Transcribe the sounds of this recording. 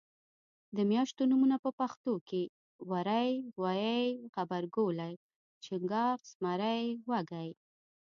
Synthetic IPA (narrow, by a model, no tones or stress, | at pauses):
d̪əmjɑʃt̪onumunapəpaxt̪oke | waɾajwajajxabaɾɡolaj | t͡ʃɪŋɡɑɾsmaɾajwaɡaj